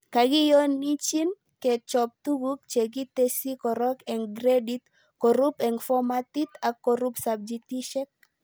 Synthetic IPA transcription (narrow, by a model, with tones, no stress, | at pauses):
ka˨ɡɪ˦jɔ˦ni˦t͡ʃi˦n | kɛ˨t͡ʃɔ˨p̚t̪u˦ɡu˦k̚t͡ʃe˨ɡi˦t̪e˦si˦kɔ˨ɾɔ˦kɛ˨ŋɡɾe˦di˦t̪ | kɔ˨ɾu˦pɛ˨ŋfɔ˦ma˦t̪i˦t̪a˨kːo˨ɾu˦psa˨b̚d͡ʒi˨t̪i˦ʃɛ˦k̚